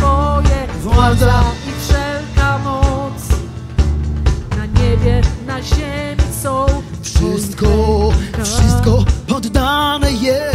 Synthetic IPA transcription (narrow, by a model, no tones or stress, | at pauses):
vɔjɛvwazaifʂɛlkamɔt̪s | naɲɛbʲjɛnaʑɛmʲisɔw | fʂɘst̪kɔfʂɨst̪kɔpɔd̪ːanɛjɛ